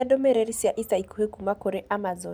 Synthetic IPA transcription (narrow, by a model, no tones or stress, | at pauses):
aɗɔmɛɾɛɾisiaʔisaikuhekumakɔɾɛʔamazɔ